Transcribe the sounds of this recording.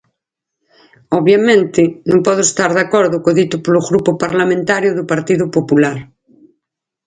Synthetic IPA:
oβjamẽnt̪ɪnõmpɔðoest̪aɾðakoɾðokoðit̪ʊpoloɣɾupopaɾlamẽnt̪aɾjoðupaɾt̪iðupopulaɾ

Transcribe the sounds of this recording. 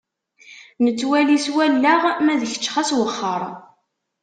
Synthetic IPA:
nət͡sːwæliswælːəʁmæðəçə̥t͡ʃːχæswəχːəɾˤ

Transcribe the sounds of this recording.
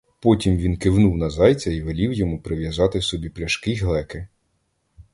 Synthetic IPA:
pɔtʲimʋʲinkɪwnuwnɐzɑjt͡sʲɐiʋelʲiwjɔmupɾɪʋjɐzɑt̪ɪsɔbʲiplʲɐʃkɪɦlˠɛkɪ

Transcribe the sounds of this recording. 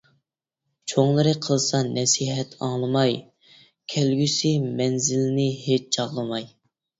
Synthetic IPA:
t͡ʃʰoŋlˠɨɾɨqʰəlˠsɑnɛsiɦɛt̪ʰɑŋlˠɨmɑj | kʲʰælɡʲysimɛnzɪlɪnɪɦet͡ʃt͡ʃʰɑʁlˠɨmɑj

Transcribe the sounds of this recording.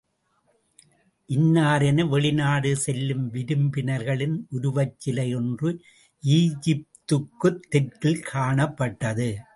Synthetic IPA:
ʔɪnːaːɾɛnɐʋɛɭɪnaːɽɯsɛlːɯmʋɪɾɯmbɪnɐɾɣɐɭɪnʔʊɾʊʋɐt͡ʃːɪlɐɪjɔndrɯ | ʔiːd͡ʒɪp̚t̪ɯkːɯt̪ːɪrkɪɭkʰaːɳɐpːɐʈːɐðɯ

